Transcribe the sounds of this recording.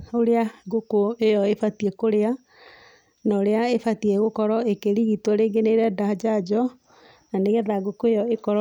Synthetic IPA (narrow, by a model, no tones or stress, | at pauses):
oɾeaɡokoejɔefatiekoɾea | naoɾeaefatiɛɣokɔɾɔekeɾiɣitwɔɾeːɡeneɾɛdad͡ʒad͡ʒɔ | naneɣɛðaɡokoejɔekɔɾ